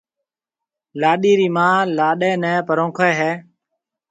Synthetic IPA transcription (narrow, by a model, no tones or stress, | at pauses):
laːɗiːɾiːmãːlaːɗeːnɛ̃ːpəɾõːkʰeːɦɛː